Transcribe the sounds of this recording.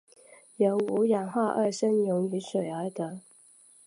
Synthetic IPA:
jə˨˩u˧˥ja˨˩ŋxwa˥˧ʔə˥˩ʂə˥njʊ˧˥ŋy˧˥˦ʂwe˨˩ɪə˧˥t̪ə˨˦

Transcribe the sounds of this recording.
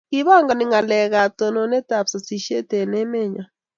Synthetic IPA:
ki˦βa˦˨ŋɡa˨nɪ˨ŋa˨lɛ˨ɣa˨tɔ˨nɔ˨nɛ˦ta˨psa˨si˨ʃe˦tɛ˨nɛ˦mɛ˦˨ɲa˨

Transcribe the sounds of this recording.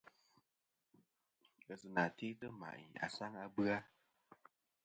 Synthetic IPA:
ə˨zu˧na˨ti˦tɨ˦ma̰˨a̰˨sa˦ŋa˧bɨ˦a˦

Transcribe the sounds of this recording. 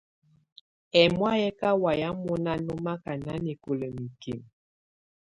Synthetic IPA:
ɛ˨mwa˦jɛ˦ka˦wa˨ja˦mu˦na˦nu˦ma˦ka˨na˦ni˨ku˨lə˨mi˨kḭ˨m

